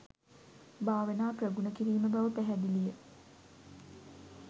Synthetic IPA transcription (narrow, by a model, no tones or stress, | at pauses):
baːʋənaːprəɡunəkiɾiːməbaʋəpæɦæd̪ilijə